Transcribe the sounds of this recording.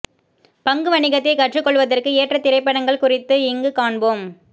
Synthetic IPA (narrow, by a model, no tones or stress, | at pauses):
pɐŋɡɯʋɐɳɪɣɐt̪ːɐɪkɐʈrɯkːɔɭʋɐðɐrkɯeːʈrɐt̪ːɪɾɐɪpːɐɽɐŋɡɐɭkʊrɪt̪ːɯɪŋɡɯkaːɳboːm